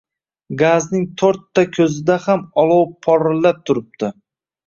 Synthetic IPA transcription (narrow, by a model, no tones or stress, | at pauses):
ɡaznɪŋt̪ʰɵɾt̪ʰːakʲʰɵzɪd̪ahamɒlˠɒwpʰːɒɾɪlːap̚t̪ʰʊɾɪp̚t̪ʰɪ